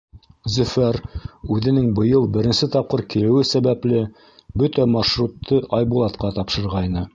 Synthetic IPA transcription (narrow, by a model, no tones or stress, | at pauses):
zɵ̆fæɾʉðɘ̆nɘŋbɤ̆jɤlˠbɘ̆ɾɘ̆nsɘt̪ɑp̚qɤɾkilɘ̆wɘsæβæplɘ | bɵt̪æmɑʃrut̪ːɤʔɑjbulˠɑt̪qɑt̪ɑpʃɤ̆ɾʁɑjnɤ